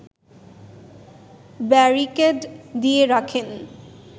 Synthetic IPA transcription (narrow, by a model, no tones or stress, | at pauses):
bɛɹikeɖd̪ieɾakʰen